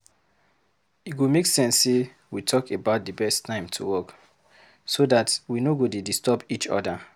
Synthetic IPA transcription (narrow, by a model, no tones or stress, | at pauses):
iɡomeksɛ̃nse | witʰɔkebaʊt̚dəbɛstʰːãɪ̃mtʰṵwɔk | sodatwinoɡodidistɔpit͡ʃɔ̰da